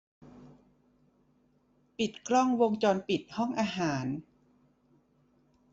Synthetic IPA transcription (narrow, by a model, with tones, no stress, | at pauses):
pi˨˩t̪̚klɔ˥˩ŋwo˧ŋt͡ɕɔː˧npi˨˩t̪̚hɔ˥˩ŋʔaː˧ɦaː˩˦n